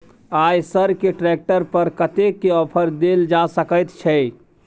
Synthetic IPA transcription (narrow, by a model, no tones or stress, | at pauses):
ajsəɾkeʈɾɛk̚ʈəɾpəɾkət̪ekːeɔpʰəɾd̪eld͡ʒasəkəjt̪t͡ʃʰɛ